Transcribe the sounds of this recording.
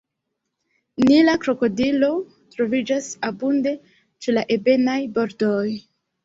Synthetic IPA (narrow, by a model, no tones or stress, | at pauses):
nilakɾo̞ko̞dilo̞ | tɾo̞vid͡ʒasabunde̞ | t͡ʃe̞laʔe̞be̞najbo̞ɾdoj